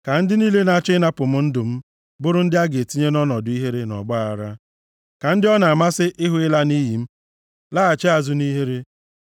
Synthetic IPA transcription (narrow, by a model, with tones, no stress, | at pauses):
ka˨n̩˦dɪ˦niː˦le˦na˦t͡ʃɪ˦na˦pʊ˨m̩˦n̩˦dʊ˨m̩˦ | bʊ˦ɾʊ˦n̩˦dɪ˦a˦ɡe˨ti˦ɲe˦nɔ˦nɔ˨dʊ˨˦i˦ɦe˦ɾe˦nɔ̰˨ɡ͡ba˦a˨ɾa˦ | ka˨n̩˦dɪ˦ɔ˦na˨a˨ma˦sɪ˦ʔɪ˦ɦʊ˦ɪ˦la˦ni˦ji˨m̩˦ | laː˦a˨t͡ʃe˦a˨zʊ˦ni˦ɦe˦ɾe˦